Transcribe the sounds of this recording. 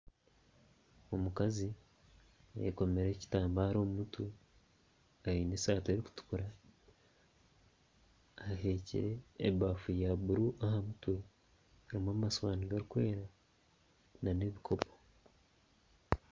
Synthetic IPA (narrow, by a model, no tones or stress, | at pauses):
omukazi | ḛko̞me̞ɾeci̥taːmbaɾoːmutʰu | aɾiːnesaːteɾiku̥tu̥kuɾa | ɦe̞cḭɾḛːbafujaβuɾuʔahamutu | aɾimaumasoβaːniɡaɾukwe̞ːɾa | naneβikʰo̞po